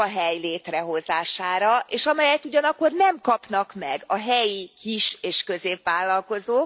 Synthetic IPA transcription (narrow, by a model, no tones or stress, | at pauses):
ɒɦɛjleːt̪rɛɦo̞zaːʃaːɾɒʔeːʃɒmɛjɛt̪ːuɟɒnɒkkːo̞rnɛmkɒpnɒkmɛɡɒɦɛjikiʃeːʃkø̞zeːpʋaːlːɒlko̞zoː